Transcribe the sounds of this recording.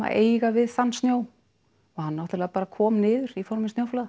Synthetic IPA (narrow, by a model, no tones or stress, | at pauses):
a̰eːjɣavɪðθanːst̪njoːw | ɔhanːawt̪ɪlaːpaːɾakʰɔːmnɪːðʏɾifɔɾmɪnsnjawflaða